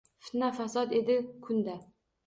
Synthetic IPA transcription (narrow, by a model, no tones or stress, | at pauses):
fɪ̥t̪nafasɒd̪ed̪ɪkʰʊnd̪a